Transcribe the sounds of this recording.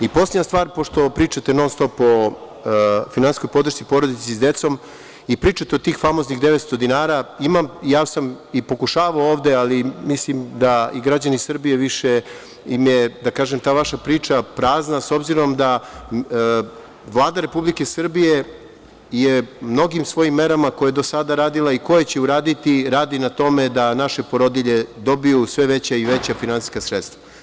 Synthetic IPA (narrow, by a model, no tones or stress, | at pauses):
ipo̞sledɲast̪ʋaːɾpoʃt̪o̞pɾiːt͡ʃat̪e̞no̞nst̪o̞po̞ | finansi̥sko̞jpo̞d̪ɾr̩ʃsipo̞ɾod̪it̪esd̪e̞t̪so̞m | ipɾiːt͡ʃat̪eot̪iːxfamo̞zniɣd̪e̞ʋet̪st̪o̞d̪inaːɾaːimamijaːsam | ipo̞kuʃaːʋaooːʋd̪e̞alimislimd̪aiɡɾad͡ʑanisr̩bije̞ʋiʃe | imjed̪akaːʒe̞mt̪aːʋaʃapɾiːt͡ʃapɾaːznaso̞bziɾo̞md̪a | ʋlˠaːd̪aɾepublike̞sr̩bije̞ | jemno̞ɡimsʋo̞jimːe̞ɾamako̞jajed̪osad̪aɾaːd̪ilˠaiko̞je̞t͡ɕe̞uɾaːd̪it̪iɾaːd̪inat̪o̞me̞d̪anaʃe̞poɾod̪iʎe̞d̪o̞bijusʋe̞ʋe̞t͡ɕaiʋe̞t͡ɕafinansi̥skasɾet̪st̪ʋa